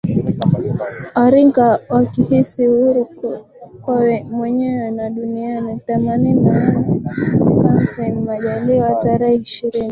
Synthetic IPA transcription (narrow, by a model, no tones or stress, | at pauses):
ɔɾiŋɡawakihisiuɾi | kwamwɛɲɛwɛnaɗunianiθɛmanina | kamsɛnmaʄaliwataɾɛhɛiʃiɾini